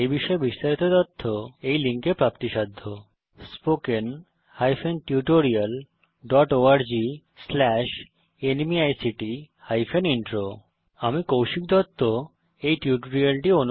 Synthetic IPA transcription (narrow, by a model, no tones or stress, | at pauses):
ebiʃɔebiʃt̪aɾit̪ot̪ɔt̪ʰːoejliŋkepɾapt̪iʃad̪ʱːo | spoken | hajfʰenʈiuʈoɾial | ɖɔʈoaɾd͡ʑi | slɛʃ | enmiajsiʈi | hajfʰeniɳʈɾo | amikowʃik̚d̪ʱɔt̪ʰːo | ejʈjuʈoɾialʈionu